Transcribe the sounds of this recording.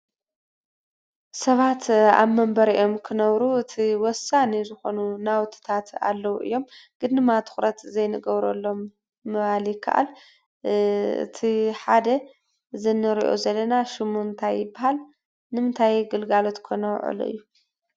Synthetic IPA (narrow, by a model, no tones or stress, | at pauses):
sɐβat̪a̰βmɐmbɐɾiʔo̞mkʰɨnɐβɾuɨt̪ʰiwɔsanizɨxo̞nunawt̪ʰɨ̥t̪ʰat̪a̰lːɐwuʔɨ̰jːo̞mɡ̥ɨd̪nɨmat̪ʰu̥xɾɐt̪zɐjnɨɡɐβɾo̰lːo̞mː | ɐβalikʰɐ̰ʔa̰l | ɨ̰t̪ʰiħad̪ɐ | zɨnːɨɾiʔo̰zɐlːɐnaʃɨmunt̪ʰajːɪbahal | nɨmɨnt̪ʰajɡɨlɡalo̞t̪kʰonɐw̰ʕɨ̰lo̰ʔɨ̰jːu